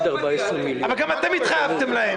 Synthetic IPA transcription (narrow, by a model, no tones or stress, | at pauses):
d̪aʁbaesʁimilavalɡamat̪emit̪χajavt̪emlahe